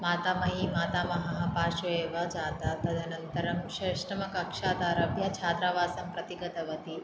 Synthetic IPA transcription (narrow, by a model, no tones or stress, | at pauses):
maːt̪aːmɐɦimaːt̪aːmɐɦaɦapaːʃɐeːʋɐd͡ʒaːt̪at̪ɐd̪ʱɐnɐnt̪ɐɾɐmʃɐʃɾɐmɐkɐkʂaːt̪aːɾɐbʱjɐt͡ʃʰaːt̪ɾaʋaːsɐmpɾɐt̪iɡɐt̪ɐʋɐt̪i